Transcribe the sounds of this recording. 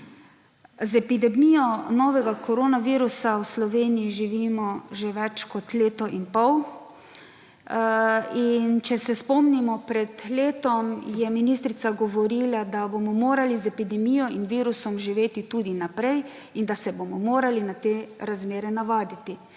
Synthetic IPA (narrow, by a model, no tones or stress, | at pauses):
zɛpid̪ɛmijɔnɔʋɛɡakʰɔɾoːnaʋiːɾusawslɔʋeːnijiʒiʋiːmɔʒeʋɛt͡ʃkɔt̪leːt̪ɔʔinpɔw | int͡ʃɛsɛspɔmnimɔpɾɛd̪leːt̪ɔmjɛminist̪ɾit̪saɡɔʋɔɾiːlad̪abomɔmoːɾalizɛpid̪ɛmijɔinʋiːɾusɔmʒiʋeːt̪it̪uːd̪inapɾɛj | ind̪asɛbomɔmoːɾalinat̪eːɾazmeːɾɛnaʋaːd̪it̪i